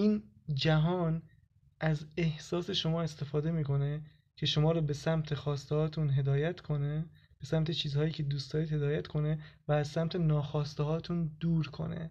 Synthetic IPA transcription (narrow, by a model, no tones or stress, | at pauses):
ʔiːnd͡ʒæɦɒːn | ʔæze̞hsɒːse̞ʃo̞mɒːe̞st̪e̞fɒːd̪e̞miːko̞ne | cʰe̞ʃo̞mɒːɾɔːbe̞sæmt̪ʰe̞xɒːst̪ehɒːt̪ʰunɦe̞d̪ɒːjæt̪ʰkʰo̞ne | b̥e̞sæmt̪ʰe̞t͡ʃʰiːzhɒːjiːcʰe̞d̪uːst̪ɒːɾiːd̪he̞d̪ɒːjæt̪kʰo̞nevæːzsæmt̪ʰe̞nɒːxɒːst̪eɦɒːt̪ʰund̪uːɾkʰo̞̰nḛ